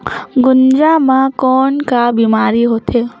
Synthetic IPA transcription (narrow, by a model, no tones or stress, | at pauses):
ɡʊnd͡ʒamãkoːɳkabimaːɾiɦoːt̪ʰe